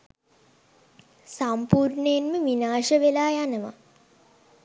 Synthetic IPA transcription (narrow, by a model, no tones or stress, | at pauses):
sampuːɾɳəjenməʋinaːʂəʋelaːjanəʋa̰